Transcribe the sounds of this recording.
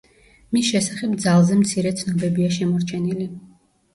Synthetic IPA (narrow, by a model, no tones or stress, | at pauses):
misʃɛsaχɛbd̪zalˠzɛmt̪sʰiɾɛt̪sʰnɔbɛbiaʃɛmɔɾt͡ʃʰɛnili